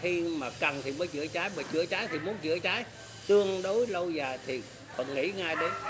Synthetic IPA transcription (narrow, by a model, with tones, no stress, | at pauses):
i˧maː˨˩kə˨˩nt̪ʰi˨˩məː˨˦jt͡ɕɨ̰˧˨ət͡ɕaː˨˦jmaː˨˩t͡ɕɨ̰˧˥ət͡ɕaː˨˦jt̪ʰi˨˩mu˨˦nt͡ɕɨ̰˧˨ət͡ɕaː˨˦j | t̪ɨ˧əŋɗo˨˦jlə˧wzaː˨˩jt̪ʰi˨˩ | kɔ̰˧˨nŋḭ˧˥ŋaː˧jɗe˨˦n